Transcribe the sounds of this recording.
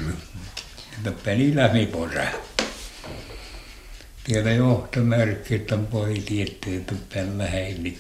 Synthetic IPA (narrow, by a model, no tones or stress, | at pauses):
et̪ːæpænilæmiporɑ̰ | t̪ielæjoht̪omærkːˑit̪ːæmpoisiet̪ːeet̪ːuppælːæheilːi